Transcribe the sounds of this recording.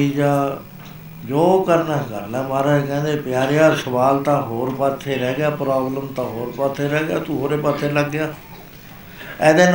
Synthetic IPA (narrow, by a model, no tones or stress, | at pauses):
iːd͡ʒãː | d͡ʒoːkəɾnãːkə̰ɾlɛːmaːɾaːkɛ̃ːnd̪eːpɪjaːɾejãːsəʋaːlt̪ãːɦoːɾpət̪ʰːeːɾɛːɡɪaːpɾaːbləmt̪ãːɦoːɾpət̪ʰːeːɾɛːɡɪjaːt̪uːɦoːɾeːpət̪ʰːeːləɡːɪjaː | ɛːd̪eːn